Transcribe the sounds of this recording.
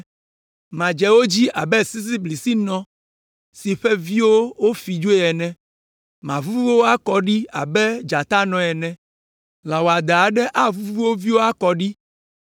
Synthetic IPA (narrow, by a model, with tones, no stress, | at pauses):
mã˨d͡ʒɛ˨wo˦d͡ʑi˦ʔa˨bɛ˦si˦s̬i˦bli˨si˦nɔ̃˦ | si˨ɸɛ˦vi˦wo˦wo˦fi˨d͡ʒo˦e˦ɛ˨nɛ̃˦ | mã˨vu˦vu˦o˦wo˦a˦kɔ˦ɖi˦a˨bɛ˦d͡ʒa˨t̪a˦nɔ̃˨ɛ˨nɛ̃˨ | la˨wo˨a˨d̪a˨a˨ɖɛ˦ʔa˦vu˦vu˦vu˦wo˦vi˦wo˦a˦kɔ˨ɖi˦